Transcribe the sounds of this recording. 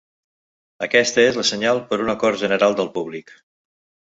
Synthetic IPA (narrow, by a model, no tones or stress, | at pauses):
əkɛst̪əezləsəɲalˠpəɾunəkɔɾʒənəɾalˠd̪əlˠpuβlik